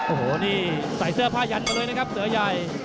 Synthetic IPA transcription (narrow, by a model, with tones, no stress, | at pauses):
ʔoː˧˩hoː˨˩˦niː˥˩ | sa˨˩jsɯ˥˩ɐpʰaː˥˩ja˧nka˧jlːjna˥kʰa˦˥p̚sɯ˨˩˦ɐja˨˩j